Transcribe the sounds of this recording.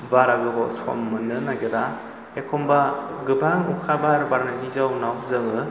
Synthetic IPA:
baɾaɡɯɡɔso̰mːɯnɯnaɡɯda | ekʰɔmbaɡɯbaŋukʰabaɾbaɾnanizawnawzɯŋɯ

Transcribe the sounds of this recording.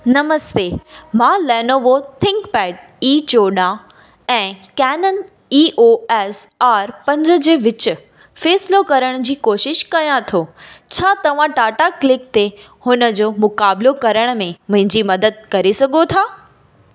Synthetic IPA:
nɐməst̪eːmãːlɛːnoʋot̪ʰɪ̃ŋkpɛːʈ̚ | iːt͡ɕoːɗã | ɛ̃ːkɛːnən | iːʔoːɛːsaːɾpɐ̃ɲd͡ʑə̆d͡ʑeːʋɪt͡ɕʊ̆ | fɛːsɪlokɐɾəɽ̃d͡ʑiːkoːʃɪʃkɐjãt̪ʰoːt͡ɕʰaːt̪ɐʋ̤ãʈaːʈaklɪk̚t̪e | hʊnə̆d͡ʑoːmʊkaːblokɐɾəɽ̃mẽmʊ̃ɦɪ̃ɲd͡ʑimɐd̪əd̪̚kɐɾesɐɡʱot̪ʰaː

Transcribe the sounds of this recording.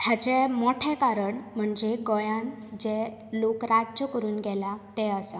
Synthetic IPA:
tʰjat͡ɕɛmɔʈʰɛkaɾəɳm̤əɳd͡zeɡɔjãn | d͡ʑɛ | lokɾadd͡ʑəkəɾuːnɡɛlat̪ɛəsa

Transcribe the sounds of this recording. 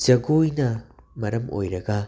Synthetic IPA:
zɐɡojnɐmɐɾɐmʔo̰jɾɐɡɐ

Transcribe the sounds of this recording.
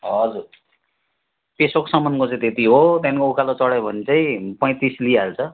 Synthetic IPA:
ɦʌd͡zur | pesokosʌmʌnkot͡saĩt̪et̪iɦot̪jankoukalot͡sʌɽajbʱʌnit͡saĩpʌj̃t̪islialt͡sʰʌ

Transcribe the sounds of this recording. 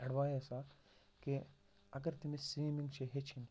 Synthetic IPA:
ɐɽʋaːjesa | ke | ɐɡəɾt̪imesiːmĩŋɡt͡ʃʰeɦet͡ʃʰin

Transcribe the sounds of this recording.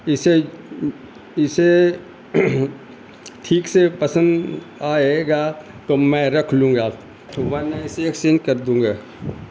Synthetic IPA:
ɪse | ɪse | ʈʰiːksepəsə̃nd̪ | aːeɡa | t̪omɛ̃ɾɐkʰlũːŋɡa | oʋɐneɪseksɪ̃nkəɾd̪ũːŋɡaː

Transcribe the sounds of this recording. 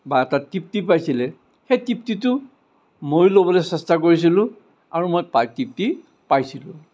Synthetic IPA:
baɛtatip̚tipajsilɛ | xejtip̚titʊ | mojlobɔlɛsɛstakoɹis̬ilʊ̃ | aɹumojpatip̚ti | pajsilʊ̰̃

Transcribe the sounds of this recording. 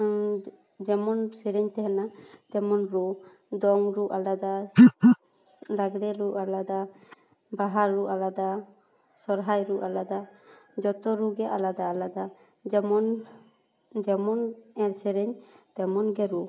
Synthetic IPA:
d͡ʒɛmɔnsɛɾɛɲt̪ɛɦɛnat̪ɛmɔnɾu | d̪ɔŋɾuʔalad̪a | laɡɽɛɾuʔalad̪a | baɦaɾɾːuʔalad̪a | sɔɾɦajɾuʔalad̪ad͡ʒɔt̪ɔɾuɡɛʔalad̪aːlad̪a | d͡ʒɛmɔn | d͡ʒɛmɔnɛɾsɛɾɛɲt̪ɛmɔnɡɛɾu

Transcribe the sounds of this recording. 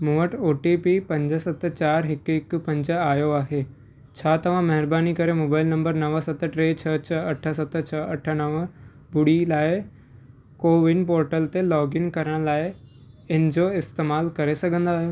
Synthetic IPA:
moʋəʈoːʈipipɐ̃ɲd͡ʑəsɐt̪t͡ɕaːɾɦɪkɪkpɐ̃ɲd͡ʑəaːjoaːɦe | t͡ɕʰaːt̪ɐʋ̤ãmɐɦɪɾbaːnikɐɾemoːbaːɪlnɐ̃mbəɾnɐʋəsɐt̪ʈɾeːt͡ɕʰət͡ɕʰəɐʈʰəsɐt̪t͡ɕʰəɐʈʰənəʋ | bʊɽilaːɪ | koːʋɪnpoːɾʈəlt̪elɔːɡɪŋkɐɾəɽ̃laːɪ | ɪnəd͡ʑoɪst̪eːmaːlkɐɾesɐɡʱə̃nd̪aːɦjo

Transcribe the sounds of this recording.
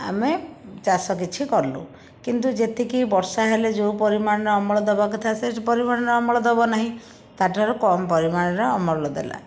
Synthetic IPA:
a̰met͡ʃasɔkit͡ʃʰikɔɾlṵ | kint̪ud͡ʒet̪ʰikibɔɾsaɦeled͡ʒewpɔɾimaɽ̃ɔɾɔɔmɔɭɔd̪ebak̬ut̪ʰasespɔɾimaɽ̃ɾɔɔmɔɭɔd̪ebɔnaɦĩ | t̪aʈɔɾɔkɔmɔpɔɾimaɽ̃ɔɾɔːmɔɭɔlɔd̪ḛla̰

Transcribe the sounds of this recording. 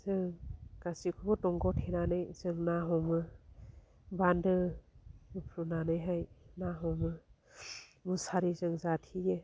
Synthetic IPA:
zɯŋkasikʰubɔtɔŋɡɔtʰenanɯjzɯŋnaɦɔmɯ | bandɯ | upʰɾunanɯjɦajnaɦɔmɯ | musaɾizɯŋzatʰije

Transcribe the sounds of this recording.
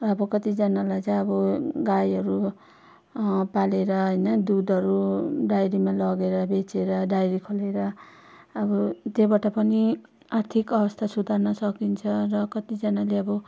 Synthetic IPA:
ʌbʌkʌt̪id͡zʌnalajt͡sãj̃ʌbʌɡajɦʌɾu | paleɾʌɦʌjnʌd̪ud̪ʱʌɾuɖajɾimalʌɡeɾʌbet͡seɾʌɖajɾikʰoleɾʌː | bʌt̪ebaʈapʌni | art̪ʰikʌbʌst̪ʰasud̪ʱarnʌsʌkint͡sʰʌrʌkʌt̪id͡zʌnaleʌbʌ

